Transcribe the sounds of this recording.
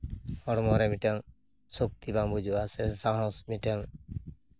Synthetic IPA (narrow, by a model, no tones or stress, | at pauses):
hɔɽmɔɾɛmiʈɛŋ | sok̚t̪ibãŋbud͡ʒʱuasɛsãɦɔ̃smiʈeŋ